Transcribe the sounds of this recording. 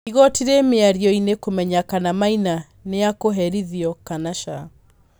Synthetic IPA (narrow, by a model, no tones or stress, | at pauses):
iɣɔtiɾemeaɾiɔinekomɛɲakanamaina | neakoɦɛɾiðiɔkanaʃa